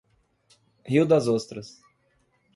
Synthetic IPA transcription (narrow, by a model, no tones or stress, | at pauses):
hiwd̪ɐzost̪ɾɐs